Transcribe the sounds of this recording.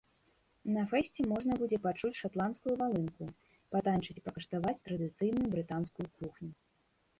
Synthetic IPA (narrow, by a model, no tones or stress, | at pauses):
nɐfɛsʲt͡sʲɛmɔʐnɐbud͡zʲɛpat͡ʂut͡sʲʂat̪lˠanskujuvalˠɨnku | pat̪anʲt͡ʂɨt͡sʲpɐkɐʂt̪avat͡sʲt̪ɾɐd̪ɨt̪sɨjnujubɾɨt̪anskujukuxnʲu